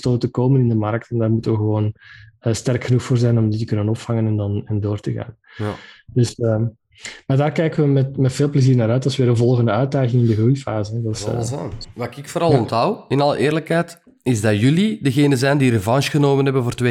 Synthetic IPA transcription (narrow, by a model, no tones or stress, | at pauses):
stoːtəkoːmənɪndəmɑɾk̚tɛndaːrmutəʋəɣəʋoːnəːstɛrkxənuxfoːrzɛjnɔmditəkɵnənɔpfɑŋənɛndɑnɛndoːrtəɣa̰ːn | dɵsə | maːrdaːrkɛjkənʋəmɛtmɛtfeːlˠpləziːrnaːɾœɥtdɑlˠsʋeːɾənvɔlˠɣəndəœɥt̚daːɣɪŋɪndəɣrujfaːzəɛdɑszanʋakɪkfoːɾɑlˠɔntɦʌwɪnɑlˠə̰ʔɪːrləkɦɛjt | ɪzdɑjʏlidəɣeːnəzɛjndiɾəvɑnʃɣənoːmənɦɛbənvoːrte